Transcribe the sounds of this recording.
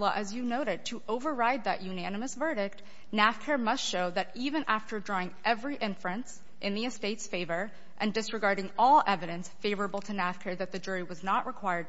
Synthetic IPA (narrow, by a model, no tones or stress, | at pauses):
əʔɨzjɨnoʊɾɨd̚tʰɨʔoʊvə˞ɹaɪd̪̚ðɨʔjʉnænɨmɨsvɜ˞ɾɪk̚t | næfkʰɛɹmʌstʃoʊðɨɾivɨ̃nʔæftə˞dɹɔɪ̃ŋʔɛvɹiʔɪ̃ɱfɹɨ̃ns | ʔɨ̃nðiɨsteɪtsfeɪvə˞ | ʔɨ̃ndɨsɹɨɡɑɹɾɪ̃ŋɔlˠɛvɨɾɨ̃nsfeɪvə˞əbl̩ˠtʰɨnæfkʰɛɹðɨt̪̚ðɨd͡ʒʊɹiwʌznəʔɹʔəkʰw̥aɪə˞d̚